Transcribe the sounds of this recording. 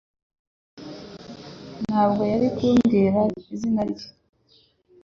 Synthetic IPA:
nhaːbɡo̞jaɾikuːŋɡeːɾaizinaɾic

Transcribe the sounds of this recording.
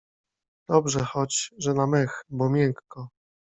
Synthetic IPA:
d̪̥ɔbʐɛxɔt͡ɕʐɛnamɛxbɔmʲjɛŋkːɔ

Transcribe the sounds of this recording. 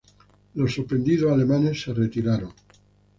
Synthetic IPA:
losːopɾend̪iðoalemãne̞sːe̞ret̪iɾaɾoŋ

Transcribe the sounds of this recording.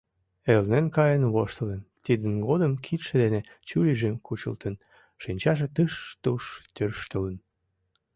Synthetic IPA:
elnenkɑjənβoʃt̪əlent̪id̪ənɡod̪əmkʰit̪ʃĕd̪enet͡ɕuliʒemkut͡ɕə̰lt̪ən | ʃinʲt͡ɕɑʃ̬et̪əʃt̪uʃt̪ørʃt̪ələn

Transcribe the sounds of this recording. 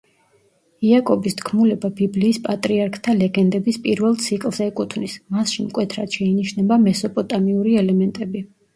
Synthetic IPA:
iakʼɔbisd̪ʰɡʰmulɛbabibliːspʼat̪ʼɾiaɾkʰt̪ʰalɛɡɛnd̪ɛbispʼiɾvɛlˠt̪sʰikʼlˠzɛkʼut̪ʰvnismasʃimkʼwɛt̪ʰɾad̪̥ʃɛiniʃnɛbamɛsɔpʼɔt̪ʼamiuɾiɛlɛmɛnt̪ʼɛbi

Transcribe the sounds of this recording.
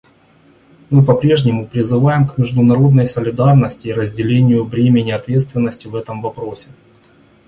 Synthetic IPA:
mɨpɐpɾʲe̞ʐnʲɪmʊpɾʲɪzɨvajɪmkmʲɪʐd̪ʊnɐɾo̞d̪nəjsəlʲɪd̪arnəsʲtʲɪːɾəzʲdʲɪlʲenʲɪjʊvɾʲemʲɪnʲɪɐt̪vʲet̪st̪vʲɪnːəsʲtʲɪvɛt̪əmvɐpɾo̞sʲɪ̥

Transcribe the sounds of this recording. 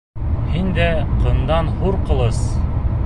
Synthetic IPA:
hind̪æqɤ̆nd̪ɑnhuɾqɤ̆lˠɤs

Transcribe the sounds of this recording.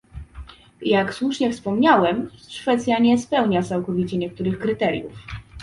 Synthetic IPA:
jakswuʂɲɛfspɔmɲawɛmʂfɛt̪sʲjaɲɛspɛwɲat̪sawkɔvʲit͡ɕɛɲɛk̚t̪uɾɘxkɾɘt̪ɛɾʲjṵf

